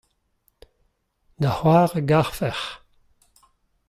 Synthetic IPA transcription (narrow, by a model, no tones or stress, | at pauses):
d̪ahwaːʁəɡaʁfɛʁ